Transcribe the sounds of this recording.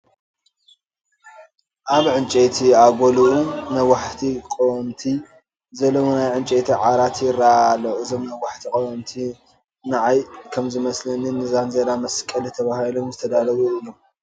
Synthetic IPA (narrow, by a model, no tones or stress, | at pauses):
ʔaβʕɨnt͡ʃʼet̪ʰiaɡʷoluʔunawaħt̪ʰikʼownt̪ʰi | zɐlːowonajʕɨnt͡ʃʼet̪ʰiʕaɾat̪jɪraaloʔɨzo̞mnawaħt̪ʰikʼownt̪ʰi | naʕajkʰɐmzɨmɐslɐnɨnɨzanzɐd̪amɐskʼɐlit̪ʰɐβahilo̞mzɨt̪ʰɐd̪alɐβuɨlom